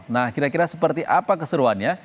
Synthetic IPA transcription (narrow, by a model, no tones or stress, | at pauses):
nahkiɾakiɾasəpərt̪iʔapakəsəɾuanɲa